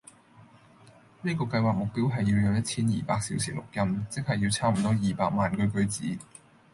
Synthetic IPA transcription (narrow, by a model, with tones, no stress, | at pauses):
niː˥kɔː˧kɐ˧jwaː˨k̚mʊ˨k̚piː˥wɦɐ˨jːi˧wjɔː˨˧ŋjɐ˥t̚t͡sʰiː˥njḭː˨˩paː˧k̚sḭ˨˥wsʰiː˨˩lʊ˨k̚jɐ˥mt͡sɪ˥k̚hɐ˨jːiː˧wt͡sʰaː˥m̩˨˩t̪ɔː˥jiː˨˩paː˧k̚maː˨nkɵ˧˥ɥkɵ˧˥ɥt͡sḭː˨˥